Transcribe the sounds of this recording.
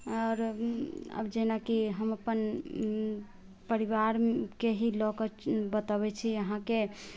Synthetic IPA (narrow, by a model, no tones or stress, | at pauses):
ɔɾ | ə̰bd͡ʒenakiɦəməpən | pəɾiʋaɾkeɦilɔkəbət̪abɛt͡ʃʰiəɦãke